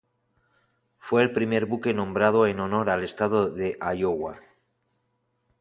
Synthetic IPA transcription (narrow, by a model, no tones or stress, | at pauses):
fwe̞ːlpɾime̞ɾβuke̞nõ̞mbɾað̞o̞e̞no̞no̞ɾale̞st̪aðoðe̞ʔajoɣwa